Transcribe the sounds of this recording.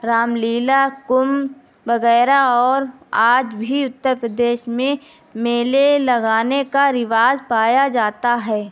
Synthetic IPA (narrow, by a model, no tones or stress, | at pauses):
ɾaːmliːlakʊm | ʋɐɣɛːɾaɔːɾaːd͡ʒbʱiʊt̪ːəɾpɾəd̪eːʃmẽ | meːlelɐɡaːnekaɾɪʋaːzpaːjad͡ʒaːt̪aɦɛː